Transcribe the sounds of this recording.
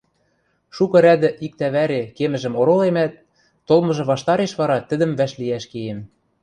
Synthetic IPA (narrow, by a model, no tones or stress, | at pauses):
ʃukɤ̆ɾæd̪ɘ̆ʔik̚t̪æβæɾekemɘ̆ʒɘ̆moɾolemæt̪̚ː | olˠmɤ̆ʒɤ̆βɑʃt̪ɑɾeʃβɑɾɑt̪ɘ̆d̪ɘ̆mvæʃliæʃkejem